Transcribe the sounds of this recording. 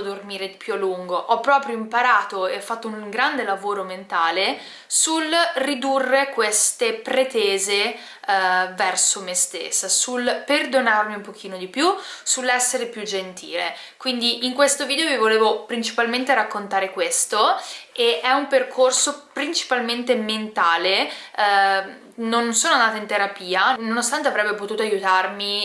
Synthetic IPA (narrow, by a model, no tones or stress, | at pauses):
d̪ormiːɾed̪ipjualːuŋɡoʔɔpːɾɔːpɾjoimpaɾaːt̪oeɔfːat̪ːouŋɡɾand̪elavoːɾoment̪aːle | sulrid̪urːekwest̪epɾet̪eːze | vɛrsomest̪ḛsːasulperd̪onarmiumpok̟iːnod̪ipjusulːɛsːeɾepjud͡ʒent̪ḭːlḛ | kwind̪iʔiŋkwest̪oviːd̪eovivoleːvopɾint͡ʃi̥palment̪eɾakːont̪aːɾekwest̪oeʔɛumperkʰorsopɾint͡ʃi̥palment̪ement̪aːle | nonsoːnoand̪aːt̪aint̪eɾapiːanonost̪ant̪eavɾɛbːep̬ot̪uːt̪oajut̪armi